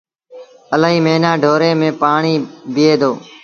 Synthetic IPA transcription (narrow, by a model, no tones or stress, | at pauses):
əlaːɦiːmeːnãːɖʱoːɾeːmẽːpaːɳiːbɪeːd̪oː